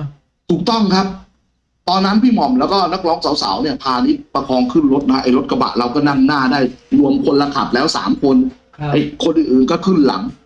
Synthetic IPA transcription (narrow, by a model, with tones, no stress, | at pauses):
t̪ʰuː˨˩k̚t̪ɔ˥˩ŋkʰa˦˥p̚ | t̪ɔː˧nːa˦˥npʰiː˥˩mɔ˨˩mlɛː˦˥wkɔː˥˩na˦˥k̚lɔː˦˥ŋsa˨˩˦wsa̰ː˩˦wni˥˩ɐpʰaː˧ni˦˥t̪̚pa˧kʰɔː˧ŋkʰɯ˥˩nɾo˦˥t̪̚a˦a˥ʔa˨˩jɾo˦˥t̪̚kʰa˧ba̰˨˩ʔɾa˧wkɔː˥˩na˥˩mnaː˥˩daː˥˩jlu˧əŋkʰo˧nlːa˧k̪ʰa̰˨˩p̚lɛː˦˥wsa̰ː˩˦mkʰo˧n | ʔa˨˧jkʰo˧nʔɯː˨˩nʔɯː˨˩nkɔː˥˩kʰɯ˥˩nla̰˩˦ŋ